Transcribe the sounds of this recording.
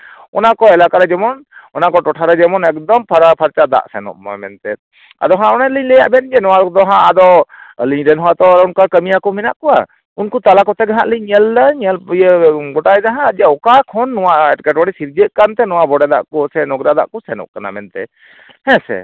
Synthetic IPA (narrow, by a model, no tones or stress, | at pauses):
ɔnakɔɛlakaɾɛd͡ʒɛmɔnɔnakɔʈɔʈʰaɾɛd͡ʒɛmɔnɛkd̪ɔmpʰpʰaɾt͡ʃad̪a̰ʔsɛnɔ̰ʔmɔ̰mɛnt̪ɛ | a̰d̪ɔɦãɔnaliɲlɛja̰ʔbɛnd͡ʒɛnɔwad̪ɔɦãʔad̪ɔliɲɖɛnɦɔwat̪ɔɾɔnkakəmijakɔmɛnaʔkɔwa̰ | unkut̪alakɔt̪ɛɡaɦaʔliɛldəɲɛljɡɔʈajd̪aɦãəd͡ʒ̪aɔkakʰɔnːɔwaʔɛʈkɛʈbaɽisiɾd͡ʒəʔ̪̚kant̪ɛnɔwabɔɽɛd̪a̰ʔkɔsɛnɔɡɾad̪a̰ʔkɔsɛnɔ̰ʔkana̰mɛnt̪ɛ̰ | hɛ̃sɛ̰